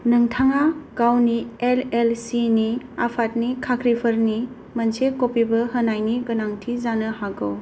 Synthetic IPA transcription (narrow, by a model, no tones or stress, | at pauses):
nɐŋtʰaŋaɡawnielelsini | apʰat̚nikʰakʰɾipʰəɾni | mɐnsekopibɐɦənajniɡɐnaŋtʰizanəhaɡo̰w